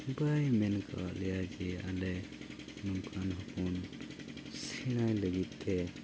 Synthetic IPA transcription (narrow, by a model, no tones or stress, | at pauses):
bajmɛnkʰa̰aʔlɛjad͡ʒɛalɛ | nunkʰanɦɔpun | siɽ̃ajləɡit̪̚ˀt̪ʰɛ